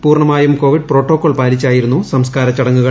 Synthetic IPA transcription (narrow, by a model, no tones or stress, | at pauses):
puːrɳɐmaːjumko̞ːʋiɖ̚pro̞ːʈːo̞ːkːoːɭpaːlit͡ɕːaːjiɾunːusɐmskaːɾɐt͡ɕːɐɽɐŋːuɣɐ